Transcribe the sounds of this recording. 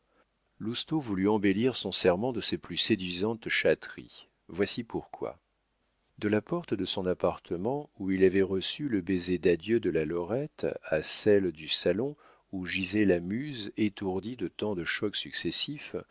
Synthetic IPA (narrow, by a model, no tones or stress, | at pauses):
lust̪ovulyɑ̃beliʁsɔ̃sɛʁmɑ̃d̪əsɛplysed̪ɥizɑ̃t̪ʃat̪χḭ | vwasipuʁkwa̰ | d̪əlapɔʁt̪d̪əsɔ̃napaʁt̪ʰəmɑ̃uilavɛʁəsyləbezed̪ad̪jød̪əlalɔʁɛt̪asɛld̪ysalɔ̃ | uʒizɛlamyzet̪uʁd̪id̪ət̪ɑ̃d̪əʃɔksyksesif